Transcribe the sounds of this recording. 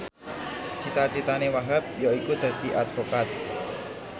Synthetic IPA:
t͡ʃit̪at͡ʃit̪anewaɦap̚jɔikud̪̥a̤t̪iʔad̪vokat̪̚

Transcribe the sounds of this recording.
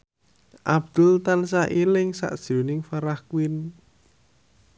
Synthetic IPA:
ʔab̥̚d̪̥ʊlt̪ansaʔilɪŋsa̰ʔd̥ʒ̥onɪŋfaɾahkwɪn

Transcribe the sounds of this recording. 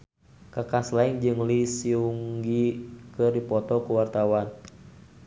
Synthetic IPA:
kakaslaɛŋd͡ʒɨŋlisiuŋɡikɨrdipɔt̪ɔkuwart̪awan

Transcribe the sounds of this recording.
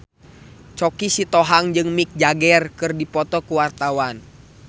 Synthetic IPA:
t͡ʃɔkisit̪ɔɦaŋd͡ʒɨŋmik̚d͡ʒaɡɛrkɨrdipɔt̪ɔkuwart̪awan

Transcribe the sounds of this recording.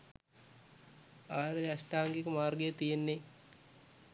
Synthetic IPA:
aːɾəjasʈaːŋɡekəmaːrɡejət̪ijenːe

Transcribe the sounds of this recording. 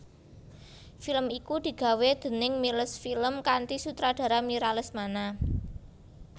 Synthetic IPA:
filəmikud̪̥i̤ɡ̥ä̤wed̪̥ə̤nɪŋmiləsfiləmkant̪isut̪ɾad̥ä̤ɾamiɾaləsmana

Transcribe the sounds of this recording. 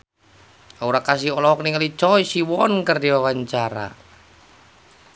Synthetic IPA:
auɾakas̬iɦɔlɔɔkniŋəlit͡ʃɔisiwɔnkərdiwawaɲt͡ʃaɾa̰

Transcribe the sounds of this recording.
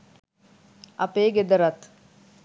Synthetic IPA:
ɐ̰peːɡed̪əɾɐt̪

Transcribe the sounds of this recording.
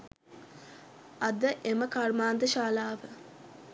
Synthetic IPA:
ɐd̪əʔeməkarmaːnd̪əʃaːlaːʋə

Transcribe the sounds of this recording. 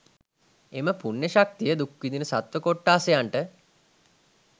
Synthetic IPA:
eməpunːeʃak̚t̪ijəd̪ukwid̪inəsat̪ʋəkoʈːaːsejaɳʈə

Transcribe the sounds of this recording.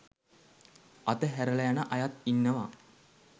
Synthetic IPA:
at̪əɦæɾələjanəʔajat̪inːəʋa̰

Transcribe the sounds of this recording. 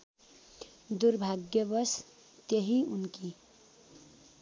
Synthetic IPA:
d̪urbʱaɡjʌbʌs | t̪jeɦiunki

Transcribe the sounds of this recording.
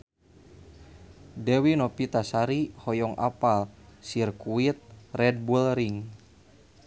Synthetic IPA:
dɛwinɔpit̪asaɾihɔjɔŋʔa̰palsirkuit̪̚rɛd̚bulɾiŋ

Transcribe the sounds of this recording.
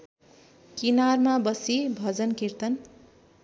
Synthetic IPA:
kinarmabʌsibʱʌd͡zʌnkirt̪ʌn

